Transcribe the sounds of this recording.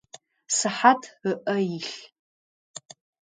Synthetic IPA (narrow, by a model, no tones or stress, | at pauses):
sɨħatʰɨʔɐjiɬ